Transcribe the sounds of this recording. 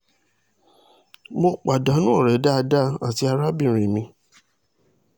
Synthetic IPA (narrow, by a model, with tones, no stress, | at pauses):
mo˧k͡pa˨da˨˦nũ˦ɔ˦˨ɾɛ˨˦da˦˧da˦a˨ti˧a˧ɾa˦bi˦˨ɾ̃ĩ˨mĩ˧